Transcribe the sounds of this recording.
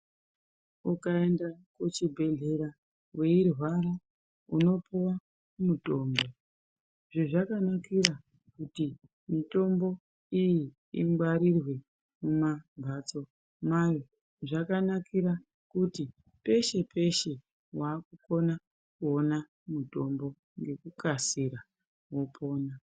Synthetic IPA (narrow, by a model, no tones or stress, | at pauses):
ukae̞ndakut͡ʃibʱe̞ɮe̞ɾa | we̞irwaɾa | uno̞puwa | muto̞ːmbo̞ | ʐiʐakanakira | kuti | mito̞mbo̞ | iji | imɡ͡baɾirwe̞ | mumabʱat͡so̞ | majo | ʐakanakʰiɾa | kuti | pe̞ʃe̞pʰe̞ʃe̞ | waːkuko̞na | kuona | muto̞mbo̞ | ŋɡe̞kukasiɾa | wo̞pʰo̞ːna